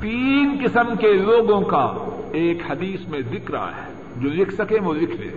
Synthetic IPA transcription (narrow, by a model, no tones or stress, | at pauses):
t̪iːnkɪsəmkeloːɡõka̰eːkhɐd̪iːsmẽd̪ɪkɾa̰ɦɛ̰ː | d͡ʒoːlɪkʰsɐkẽʋoːlɪkʰlḛː